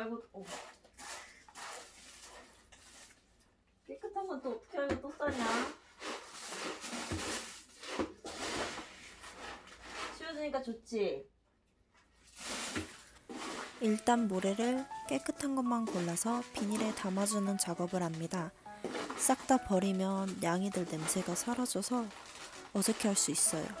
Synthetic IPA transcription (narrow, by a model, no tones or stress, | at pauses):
ɭɡoo | k͈ek͈ʰɯtʰaŋɡʌnt͈oːtʰʌ̥kʰeaɡot͈os͈ʌɲa | t͡ɕʰijʌd͡ʑuɲik͈at͡ɕot͡ɕ͈ʰi | iɭt͈anmoɾe̞ɾɯɭk͈e̞k͈ʰɯtʰanɡʌnmankoɭːasʰʌpiɲiɾe̞tamad͡ʑunɯnt͡ɕaɡʌbɯɾɦamɲida | s͈ak̚t͈apʌɾimjʌnjaŋidɯɭne̞msʰe̞ɡasʰʌɾʌd͡ʑʌsʰʌː | d͡ʑʌkʰeɦaɭs͈uis͈ʌjo̰